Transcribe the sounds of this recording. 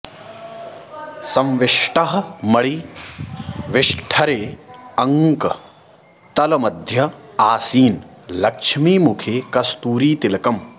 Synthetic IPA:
sɐ̃mʋɪʂʈɐɦɐ̆mɐɭi | ʋɪʂʈʰɐɾeːɐŋkɐ | t̪ɐlɐmɐd̪ʱjɐaːsiːnlɐkʂmiːmukʰeːkɐst̪uːɾiːt̪ilɐkɐm

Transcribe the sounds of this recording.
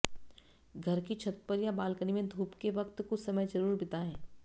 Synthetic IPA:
ɡʱɐɾkit͡ʃʰɐt̪̚pəɾjabaːlkənimẽd̪ʱuːpkeʋɐkt̪kʊsɐməjd͡ʒɐɾuːɾbɪt̪aɦɛ̃ː

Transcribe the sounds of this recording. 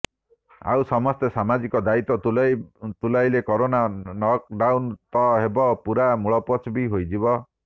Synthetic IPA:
a̰wsɔmɔst̪esamad͡ʒikɔd̪ait̪ɔt̪ | t̪ulajlekɔɾonanɔk̚ɖawnt̪ɔɦebɔpuɾamuɭɔpɔt͡ʃbiɦojd͡ʒibɔ

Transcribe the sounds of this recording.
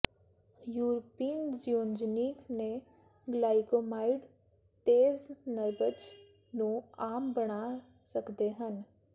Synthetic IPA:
juːɾpiːnd͡ʒijoːnd͡ʒniːkne | ɡlaːɪkomaːɪɖ | t̪eːznəɾbət͡ʃ | nũaːmbəɽaː | səkd̪eɦən

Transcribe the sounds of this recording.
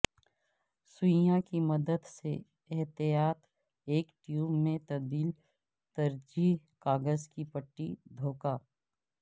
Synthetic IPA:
sʊjãkimɐd̪əd̪se | ɛɦt̪ijaːt̪ | eːkʈjuːmːẽt̪ɐbd̪iːl | t̪ɐɾd͡ʒiɦkaːɡəzkipɐʈːid̪ʱoːkaː

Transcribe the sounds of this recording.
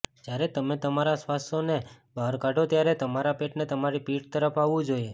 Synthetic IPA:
d͡ʒjaɾet̪əmet̪əmaɾasʋast̪one | bʱaɾkaɖot̪jaɾet̪əmaɾapeʈnet̪əmaɾipiʈ̚t̪əɾəpʰaʋũd͡ʒoje

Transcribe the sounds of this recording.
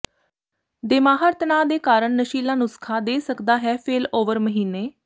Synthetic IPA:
d̪eːmaːɦəɾt̪ənaːd̪eːkaːɾəɳnəʃiːlãːnʊskʰaːd̪eːsəkd̪aːɦɛːpʰeːloːʋəɾməɦiːnːeː

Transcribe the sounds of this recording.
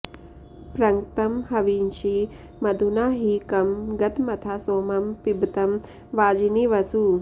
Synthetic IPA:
pɾɐŋt̪ɐmɦɐʋiːnt͡ʃi | mɐd̪ʱunaːɦikɐmɡɐt̪mɐt̪ʰaːsoːmɐmpibt̪ɐm | ʋaːd͡ʒiniʋɐsu

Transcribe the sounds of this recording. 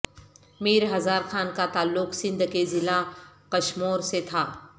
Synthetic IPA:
meːɾɦɐzaːɾxaːnkat̪aːlːʊqsɪ̃nd̪kezɪlakɐʃmoːɾset̪ʰaː

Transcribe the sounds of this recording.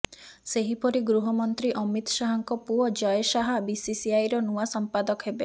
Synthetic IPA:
seɦipɔɾiɡɾuɦɔmɔnt̪ɾiʔɔmit̪ɔ̥ʃaɦɔŋkɔpuɔd͡ʒɔjʃaɦabisisiajɾɔnuasɔmpad̪ɔkɔɦebe

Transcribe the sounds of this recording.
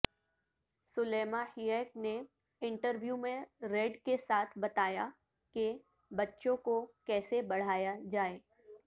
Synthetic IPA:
sʊleːmahiɛːk̚ne | ɪ̃ɳʈəɾʋjuːmẽɾeɖkesaːt̪ʰbɐt̪aːja | ke | bɐtːʃõkokɛːsebɐɽ̤aːjad͡ʒaːeː

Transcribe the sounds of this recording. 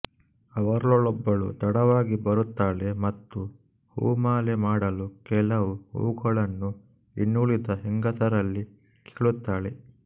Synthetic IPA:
ɐʋɐɾɐɭɔɭɔbːɐɭṵt̪ɐɽɐʋaːɡibɐɾut̪ːaːɭemɐt̪ːu | hṵːmaːlemaːɽɐlukɛlɐʋuhṵːɡɐɭɐnːu | inːuɭid̪ɐɦɛŋɡɐsɐɾɐlːi | kʰeːɭut̪ːaːɭe

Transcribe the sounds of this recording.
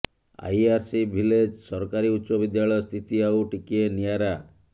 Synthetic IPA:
a̰jaɾsibʱiled͡ʒsɔɾɔkaɾiutːʃɔbid̪jaɭɔjɔst̪ʰit̪iauʈikienijaɾa

